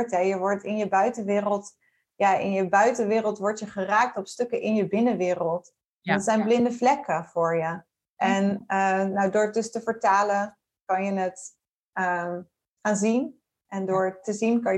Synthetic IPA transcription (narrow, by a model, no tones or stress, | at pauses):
ɹtɦɛjəʋɔɹtɪnjəbœɥtənʋɪːrəlˠt | jaːʔɪ̰njəbœɥtənʋɪːrəlˠtʋɔɹtjəχəraːk̚tɔpstɵkəʔɪnjəbɪnəʋɪːrəlˠt | dətsɛjnblɪndəflɛkəvʊːɹjə | ʔɛnəːawdʊːɹt̚dɵstəvəɹtaːlə | kɑnjənət | ə | χaːnzin | ʔɛndʊːɹtəzinkɑn